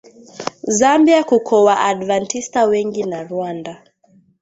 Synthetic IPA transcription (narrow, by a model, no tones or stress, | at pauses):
zambiakukʰɔwaʔaɗvantistawɛŋɡinaɾuanda